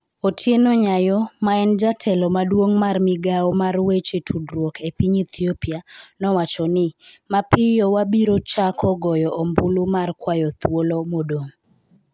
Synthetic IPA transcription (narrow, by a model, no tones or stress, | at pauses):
otʰjenɔɲajɔmaɛnd͡ʒatʰɛlɔmadwoŋmarmɪɡaɔmarwet͡ʃetʰudɾwokʰepiɲit̪ʰiopianɔwat͡ʃɔnɪmapɪjɔwabiɾot͡ʃakʰɔɡɔjɔʔombulumarkwajɔt̪wolomodo